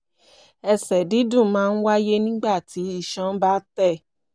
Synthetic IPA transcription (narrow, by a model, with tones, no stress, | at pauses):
ɛ˧sɛ˨di˨˦dũ˦˨˦mãː˦˧˦n̩˦wa˦je˦nĩ˦ɡ͡ba˦˨ti˨˦i˧˨ʃã˦n̩˦ba˦tɛ˦˨